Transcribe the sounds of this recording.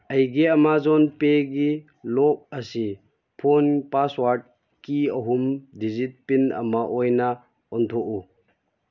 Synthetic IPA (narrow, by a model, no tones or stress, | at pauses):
ɐjɡeɐmazɔnpeɡi | lɔk̚ɐsi | pʰɔnpaswaɾd̚ | kiɐɦumdizit̚pinɐ̰mɐʔɔjna | ɔnt̪ʰɔʔu